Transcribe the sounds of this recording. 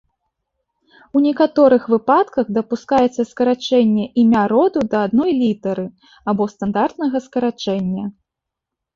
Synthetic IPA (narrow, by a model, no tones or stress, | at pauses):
unʲɛkat̪ɔɾɨxvɨpat̪kɐɣd̪ɐpuskajɛt̪sːɐskɐɾat͡ʂɛnʲːɛʔimʲaɾɔd̪ud̪ɐad̪nɔjlʲit̪ɐɾɨ | abɔst̪and̪art̪nɐɣɐskɐɾat͡ʂɛnʲːɐ